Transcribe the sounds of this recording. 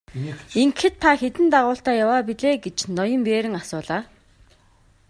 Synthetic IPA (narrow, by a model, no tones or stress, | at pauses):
iŋkxɘ̆t̪̚t̪ʰːaxet̪ɘ̆nt̪aʁʊːɬt̪aːjawaːpiɮeːɡet͡ɕnɔjɞ̆mpeːɾɘ̆ŋasʊːɮaː